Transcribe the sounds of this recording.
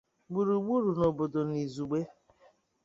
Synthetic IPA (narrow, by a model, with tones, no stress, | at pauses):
ɡ͡bu˨ɾu˨ɡ͡bu˦ɾu˨no˨bo˨do˨ni˨zu˨ɡ͡be˦